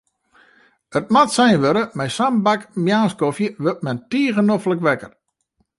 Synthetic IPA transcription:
ət̚matsɛjnʋøɾəmɛjsambakmjaːnskofjəʋøt̚mɛntiəɣənofləkʋɛkər

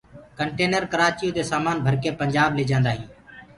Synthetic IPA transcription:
kəɳʈeːnəɾkəɾaːt͡ʃɪijoːd̪eːsaːmaːnbʱəɾkeːpəɲd͡ʒaːbleːd͡ʒãːnd̪aːɦĩː

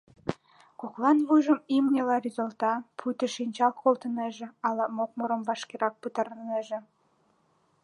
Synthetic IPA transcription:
koklˠɑnβujʒə̆mimnʲĕlɑrizəlt̪ɑpʰut̪ə̆ʃinʲt͡ɕɑlˠkolˠt̪ə̆neʒĕɑlɑmok̚moɾə̆mbɑʃkeɾɑk̚pət̪ɑɾəneʒĕ

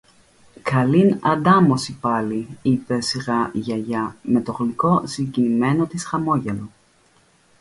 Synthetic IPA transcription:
kɐlinɐd̪ɐmo̞sipɐliipe̞siɣɐʝɐʝɐme̞t̪o̞ɣliko̞siɲɟinime̞no̞t̪isxɐmo̞ʝelo̞

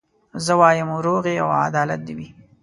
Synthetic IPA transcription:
zəwɑːjəmuɾoɣea̰wa̰d̪ɑlat̪̚d̪iwi

